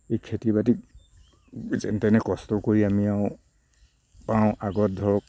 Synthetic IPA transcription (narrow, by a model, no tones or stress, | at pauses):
ejkʰetibatik | zɛ̰ntɛnɛkɔstɔkoɹiamiaʊ̃ | paʊ̃ʔaɡɔt̚d̪ʱɔɹɔk